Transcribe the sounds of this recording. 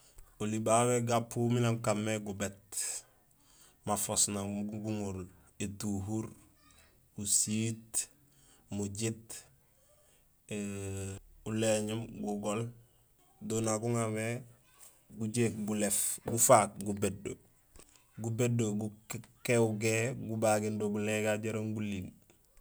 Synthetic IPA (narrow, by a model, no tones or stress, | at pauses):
olibaweɡapʰuminamkamːeɡubet | mafosnaɡuŋuɾl | etuɦuɾ | usit | muɟit | e | uleɲimɡuɡol | donaɡuŋame | ɡuɟekɡulefɡufat̚ɡubedo̰ | ɡubedoɡukeuɡeɡubaɡindoɡuleɡaɟaɾaŋɡulim